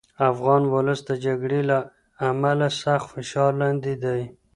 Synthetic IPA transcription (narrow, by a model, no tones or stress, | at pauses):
afɣɑnwʊləsd̪əd͡ʒaɡɽela | amalasaxt̪fɪʃɑɾlɑnd̪id̪aj